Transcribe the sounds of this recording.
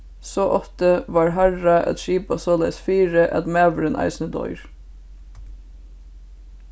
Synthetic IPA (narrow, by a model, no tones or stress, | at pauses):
soːʔɔft̪əʋɑːɹɦæɹɑʔɑ̰t̪ʃiːpɑsoːlæɪsfiːɹəʔɑ̰t̪mæːʋəɾeːnʔɑ̰ɪsnəd̪ɔ̰ʏɹ